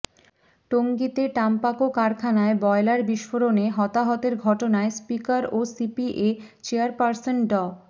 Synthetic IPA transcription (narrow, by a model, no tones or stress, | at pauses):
ʈoŋɡit̪eʈampakokaɾkʰanaebɔelaɾbiʃfoɾoneɦɔt̪aɦɔt̪eɾɡʱɔʈonaespikaɾosipiʔet͡ɕeaɾpaɾsonɖɔ